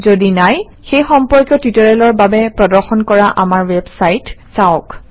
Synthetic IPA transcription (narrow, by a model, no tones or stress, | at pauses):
zodinaj | xejxɔmpɔɹkjɔtwitɔɹɛlɔɹbabɛpɹɔdɔɹxɔnkɔɹaʔamaɹwɛbsajtsaɔk